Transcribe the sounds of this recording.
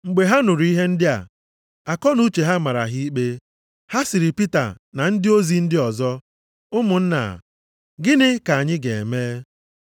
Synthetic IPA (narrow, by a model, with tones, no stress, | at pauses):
ŋ͡m̩˨ɡ͡be˨ɦa˦nʊ˨ɾu˨i˦ɦe˦n̩˦dɪ˦a̰˨ | a˨kɔ˦nu˦t͡ʃe˨ɦa˦ma˨ɾa̰˨ɦi˦k͡pe˦ | ha˦sɪ˨ɾɪ˨pi˦ta̰˨ | na˨n̩˦dɪ˦o˦zi˨n̩˦dɪ˦ɔ˨zɔ˦ | ʊ˦mʊ˨n̩˦na̰˨ | ɡɪ˦nɪ˦ka˨a˨ɲɪ˦ɡe˨meː˦